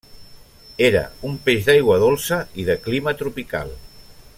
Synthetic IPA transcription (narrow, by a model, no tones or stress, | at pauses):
eɾə̰umpeʒðajɣwəðolˠsəiðəklimət̪ɾupika̰lˠ